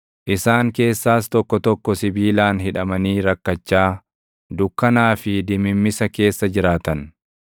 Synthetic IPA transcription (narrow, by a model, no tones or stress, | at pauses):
ʔɪsaːŋke̞ːsːaːst̪ɔkːɔt̪ɔkːɔsɪbiːlaːnɦɪᶑɐmɐniːɾɐkːɐt͡ʃːaː | d̪ʊkːɐnaːfɪd̪ɪmɪmːɪsɐke̞ːsːɐd͡ʒɪɾaːt̪ɐn